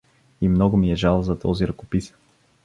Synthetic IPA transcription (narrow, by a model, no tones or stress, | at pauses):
imnɔɡʊmiɛʒalˠzɐt̪ɔziɾɐkopis